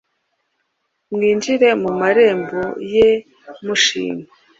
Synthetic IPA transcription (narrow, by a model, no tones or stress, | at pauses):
mŋiːnd͡ʒiɾe̞mumaɾe̞ːmboje | muʃḭːme